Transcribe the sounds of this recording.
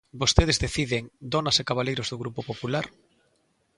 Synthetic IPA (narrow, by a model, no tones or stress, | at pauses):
bost̪eð̞ezðeθiðeŋd̪onasekaβalejɾozðoɣɾupopopulaɾ